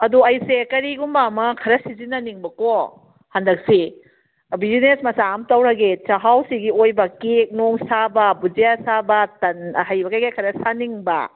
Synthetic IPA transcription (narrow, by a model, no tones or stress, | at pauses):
ɐduɐjsekɐɾiɡumbamɐkʰɐɾɐsizinːɐniŋbɐko | handɐk̚si | bizinesmɐsaamtɐwɾɐɡet͡ʃɐɦawsiɡiojbɐkek̚noŋsabɐbud͡ʒiasabɐtɐnɦɐjbɐkajɡakʰɐɾɐsaniŋbɐ̰